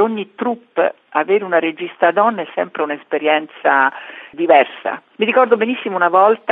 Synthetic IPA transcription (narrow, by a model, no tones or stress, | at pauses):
oɲːit̪ɾupː | aveːɾeunaɾed͡ʒist̪ad̪ɔnːɛsɛmpɾeunespeɾjɛnt̪sad̪ivɛrsa̰miɾikɔrd̪obenisːimounavɔlt̪a